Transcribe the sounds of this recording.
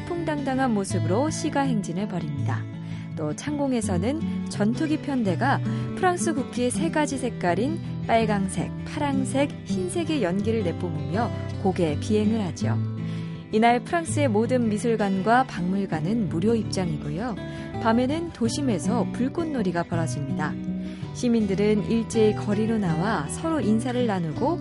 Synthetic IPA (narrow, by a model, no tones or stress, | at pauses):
pʰoŋdaŋdaŋɦanmosʰɯbɯɾoɕʰiɡaɦe̞ŋd͡ʑinɯɭpʌɾimɲida̰ | t͈ot͡ɕʰaŋɡoŋe̞sʰʌnɯnt͡ɕʌntʰuɡipʰjʌnde̞ɡapʰɯɾaŋs͈ʰɯɡukʰiesʰe̞ɡad͡ʑisʰe̞k̚k͈aɾin | p͈aɭɡaŋsʰe̞̰k̚pʰaɾaŋsʰe̞kçinsʰe̞ɡe̞jʌnɡiɾɯɭne̞p͈umumjʌkoɡe̞pie̞ŋɯɭhad͡ʑio̰ | inaɭpʰɯɾaŋs͈ɯe̞modɯnmisʰuɭɡwanɡwapaŋmuɭɡanɯnmuɾjoip̚t͡ɕ͈aŋiɡujo | pamjʌnɯntoɕʰime̞sʰʌpuɭk͈onːoɾiɡapʌɾad͡ʑɯmɲida | ɕʰimindɯɾɯniɭt͡ɕ͈eikʌɾiɾonawasʰʌɾoʔinsʰaɾɯɭːanuɡo